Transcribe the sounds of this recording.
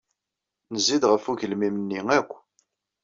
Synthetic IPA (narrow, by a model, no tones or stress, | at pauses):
nəzːid̪ʁəfuʝəlmimənːiŋækʷː